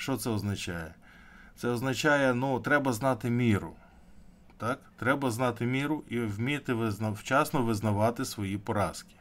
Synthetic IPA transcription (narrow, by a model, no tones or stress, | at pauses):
ʃt͡ʃɔt̪sɛɔznɐt͡ʃajɛ | t̪sɛɔznɐt͡ʃɑjɛnut̪ɾɛbɐznɑt̪ɪmʲiɾʊ̰ | t̪ɑkt̪ɾɛbɐznɑt̪ɪmʲiɾʊʔiwmʲit̪ɪʋɪznɐwt͡ʃɑsnɔʋɪznɐʋɑt̪ɪsʋɔjipɔɾɑskʲɪ̥